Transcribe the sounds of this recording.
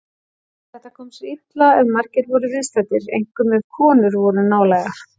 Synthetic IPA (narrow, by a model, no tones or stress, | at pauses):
θɛht̪ːakʰɔːmsit̪laɛðmaɾ̥cɪɾvɔɾʏvɪðst̪at̪ɪɾḛjŋkʏmːɛðkʰɔːnʏɾvɔɾʏnaːwlɛɣa